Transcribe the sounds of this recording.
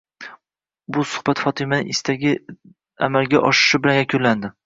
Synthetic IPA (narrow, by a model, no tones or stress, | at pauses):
bʊsʊ̥χbat̪fɒt̪ʰɪmanɪŋɪst̪ʰaɡʲɪ | a̰malɡʲaʔɒʃɪ̥ʃɪbɪlanjakʲʰʊnland̪ɪ